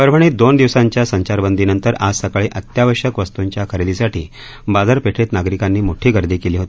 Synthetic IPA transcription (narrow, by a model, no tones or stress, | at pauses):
əɾʋ̤ʱəɳ̃iːd̪ond̪iʋsaɲt͡ɕjasəɲt͡ɕaɾbənd̪inənt̪əɾad͡zsəkɭiːʔət̪jaʋəɕəkʋəst̪uɲt͡ɕjakʰəɾed̪isaʈiː | bad͡zəɾpeʈʰet̪naɡɾikanːiːmoʈʰiːɡəɾd̪iːkeliːɦot̪i